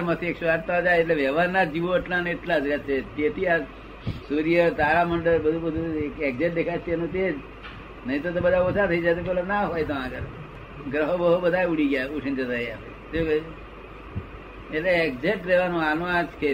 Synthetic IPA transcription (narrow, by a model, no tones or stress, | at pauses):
ɾmət̪ʰiekʃaɾt̪aod͡ʒajeʈleʋɛʋaɾnad͡ʒiʋoəʈlaneʈlad͡ʒɾat͡ʃʰet̪et̪ʰia | suɾijət̪aɾaməɳɖəɾbəd̪ʱubəd̪ʱuekekd͡ʒeʈ̚d̪ekʰajt͡ʃʰeenũt̪ed͡ʒ | nəɦĩt̪ot̪̬obəd̪ʱaot͡ʃʰat̪ʰəid͡ʒajt̪̬op̬ɛlanaɦojt̪oãɡəɾ | ɡɾəɦobəɦubəd̪ʱajuɽiɡjauʈʰint̪ət̪əiae | t̪e | eʈleːɡd͡ʒeʈɾeʋanũanad͡ʒkʰe